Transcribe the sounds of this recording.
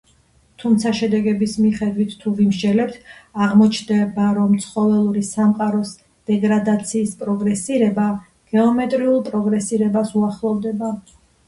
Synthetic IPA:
t̪ʰumt̪sʰaʃɛd̪ɛɡɛbismiχɛd̪wit̪ːʰuvimɾd͡ʒɛlɛp̚t̪ʰaʁmɔt͡ʃʰnd̪ɛbaɾɔmt̪sʰχɔvɛlˠuɾisamqʼaɾɔs | d̪̥ɛɡɾad̪at̪sʰiːspʼɾɔɡɾɛsiɾɛba | ɡ̥ɛɔmɛt̪ʼɾiulˠpʼɾɔɡɾɛsiɾɛbasuaχlˠɔvd̪ɛba

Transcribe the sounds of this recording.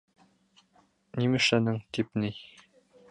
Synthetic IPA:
nimɘ̆ʃænɘŋt̪ipni

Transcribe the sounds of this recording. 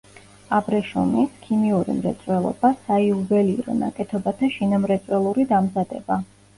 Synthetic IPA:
abɾɛʃṵmikʰimiuɾḭmɾɛ̰t̪sʼwɛlˠɔ̰basaiubɛliɾɔ̰na̰kʼɛt̪ʰɔbat̪ʰaʃinamɾɛt̪sʼwɛlˠuɾid̪amzad̪ɛ̰ba

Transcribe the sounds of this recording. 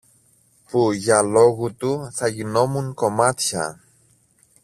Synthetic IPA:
puʝɐlo̞ɣut̪uθɐʝino̞muŋko̞mɐt̪çɐ̰

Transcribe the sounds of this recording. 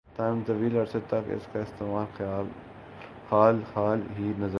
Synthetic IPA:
t̪aːnt̪ɐʋiːlɐɾset̪ɐkɪ̰skaɪst̪eːmaːlxjaːl | xaːlxaːlɦinɐz

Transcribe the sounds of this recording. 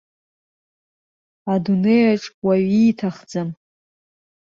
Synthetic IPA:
adunejaʈ͡ʂʼwaɥiːtʰaχd͡zam

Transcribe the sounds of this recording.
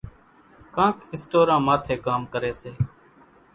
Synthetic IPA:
kãːkɪsʈoːɾãːmaːt̪ʰeːkaːmkəɾeːseː

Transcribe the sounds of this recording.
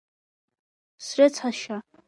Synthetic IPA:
sret͡sʰaʃa

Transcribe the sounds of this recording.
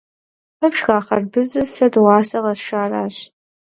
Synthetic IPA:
ɐpʃxaːχɐrbɨzɨsɐdʁɑːsɐʁɐsʃaːra̰ːɕ

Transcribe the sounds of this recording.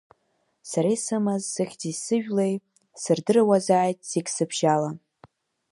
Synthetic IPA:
saɾajsɨmazsɨχʲdisɨʒᶣlej | sɨrdɨrawazaːjtʼz̥ikʲsɨbʒala

